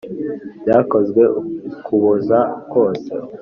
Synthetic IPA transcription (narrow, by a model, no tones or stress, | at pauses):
bjaːko̞zɡwe̞kuβuzako̞ːsḛ